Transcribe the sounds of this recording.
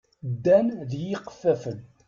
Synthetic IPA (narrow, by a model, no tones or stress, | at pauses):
d̪ːænðjiqfæfən